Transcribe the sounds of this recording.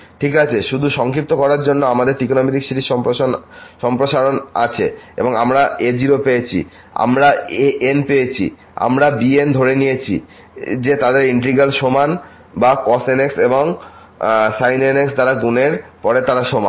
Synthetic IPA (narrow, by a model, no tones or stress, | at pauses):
ʈʰikat͡ɕʰeʃud̪ʱuʃɔŋkip̚t̪okɔɾaɾd͡ʑonːoamad̪eɾʈikonomit̪ikʃiʈiʃɔponʃɔmpɾoʃaɾona̰t͡ɕʰeḛboŋamɾaed͡ʑiɾopeet͡ɕʰḭ | a̰mɾaeʔenpejet͡ɕʰḭ | a̰mɾabiend̪ʱoɾenijet͡ɕʰḭ | d͡ʑet̪ad̪eɾiɳʈɾiɡalʃoman | bakɔsenekseboŋ | sajneneksd̪aɾaɡuneɾpɔɾet̪aɾaʃoma̰n